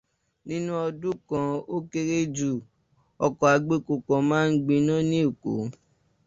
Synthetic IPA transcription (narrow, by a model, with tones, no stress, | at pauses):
nĩ˦nũ˦ɔ˧dũ˦kã˧o˦ke˧ɾe˦d͡ʒu˦˨ | ɔ˧kɔ˨a˧ɡ͡be˦ko˨kɔ̃˨mãː˦n̩˦ɡ͡bĩ˧nã˦nĩ˦o˦˨ko̰˨˦